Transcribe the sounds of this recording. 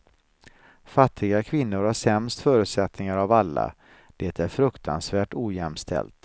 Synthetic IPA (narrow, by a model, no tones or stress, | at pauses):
fat̪ʰːɪɡakʰvɪnːʊɾhaʂɛmst̪fœːɾʉ̟t̪sɛt̪nɪŋaɾavalːa̰ | d̪̥eːt̪ʰæɾfɾɵkt̪ʰa̰nsvæːʈuːjɛmst̪ʰɛ̰lt̪